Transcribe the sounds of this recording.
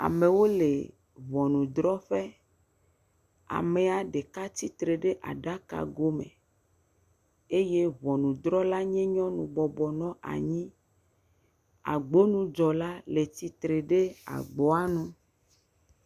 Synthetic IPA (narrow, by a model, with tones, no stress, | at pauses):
a̰˨me˨wo˦le˨ | βɔ˨nũ˨d̪ɾɔ˦ɸe˦ | a̰˨me˨a˨ɖe˨ka˦t̪i˦t̪ɾe˨ɖe˦ʔa̰˨ɖa˦ka̰˨ɡo˦mḛ̃˨ | e˦je˦βɔ˨nũ˨d̪ɾɔ˦la˦ɲɛ̃˦ɲɔ̃˦nũ˨bɔ˨bɔ˨nɔ̃˦ʔa̰˨ɲĩ˦ | a̰˨ɡ͡bo˦nũ˦d͡ʒɔ˨la˦le˨t̪i˦t̪ɾe˨ɖe˦a̰˨ɡ͡bɔ˦a˦nũ˦